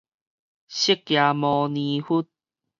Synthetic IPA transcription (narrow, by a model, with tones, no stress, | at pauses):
ɕi˦kːja˨mɔ̃˨˧nĩ˨˧hu˦˥t̚